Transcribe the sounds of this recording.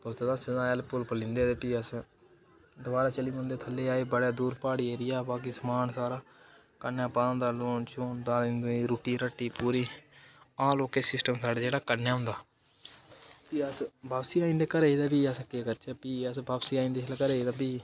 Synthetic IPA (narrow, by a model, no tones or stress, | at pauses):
t̪oːst̪eːd̪ãːsenãːɛlpʊlpəlĩːnd̪eːt̪epiːəs | d̪ʊbaːɾaːt͡ʃəlĩʊ̃nd̪eːt̪ʰəlːeːaːeːbəɽaːd̪uːɾpaːɽiːeːɾɪjaːbaːk̬iːsəmaːnsaːɾaː | kənjãːpaːd̪ə̃nd̪aːloːnt͡ʃuːnd̪aːlĩnd̪iːɾuːʈiːɾəʈːiːpuːɾiː | ãːloːkeːsɪsʈəmsaːɖaːd͡ʒeːɽaːkənjaːɦʊ̃nd̪aː | piːəsbaːbsiːaːĩːnd̪eːkəɾeːiːd̪aːbiːəskeːkəɾt͡ʃəːpiːəsbaːbsiːaːĩnd̪eːt͡ʃʰlkəɾeːiːd̪aːbiː